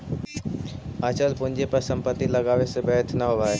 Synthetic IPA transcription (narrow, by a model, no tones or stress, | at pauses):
at͡ʃəlpʊ̃nd͡ʒepəɾsə̃mpət̪ːiləɡaːʋesebɛːt̪ʰnəɦoʋae